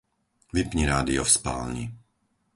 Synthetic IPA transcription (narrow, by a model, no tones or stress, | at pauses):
ʋipɲiɾaːd̪iɔfspa̰ːlɲḭ